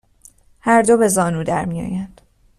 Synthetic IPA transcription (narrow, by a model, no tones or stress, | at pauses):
hæɾd̪obe̞zɒːnuːd̪æɾmijɒ̰ːjænd̪̥